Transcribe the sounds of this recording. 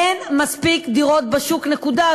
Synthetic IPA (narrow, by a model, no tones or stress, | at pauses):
enmaspikd̪iʁo̞t̪̚beʃuknekud̪a